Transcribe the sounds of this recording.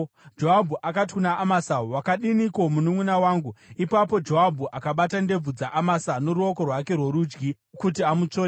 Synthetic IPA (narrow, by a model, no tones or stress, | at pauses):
d͡ʒo̞ɦabʱuʔakat̬i̥kunaʔːmasawakaɗiniko̞munumwunawaːŋɡuipapo̞d͡ʒoabʱuʔakaɓatande̞b͡vud͡zaʔamasano̞ɾuo̞ko̞rwake̞rwoɾuːd͡ʒɡi | kutiamut͡soːɾe